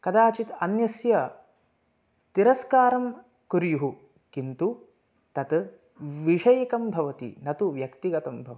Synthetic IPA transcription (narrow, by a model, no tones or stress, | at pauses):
kɐd̪aːt͡ʃit̪ɐnjɐsjɐ | t̪iɾɐskaːɾɐm | kuɾjuɦu | kint̪u | t̪ɐt̪ | ʋiʂɐjɐkɐmbʱɐʋɐt̪ḭnɐt̪uʋjɐkt̪iɡɐt̪ɐmbʱɐʋɐ